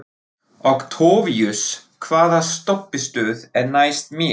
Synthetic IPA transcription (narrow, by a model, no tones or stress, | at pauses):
ɔɣt̪ʰoːvijʏskʰvaːðast̪ɔpːɪst̪œːðɛɾnajst̪mɪ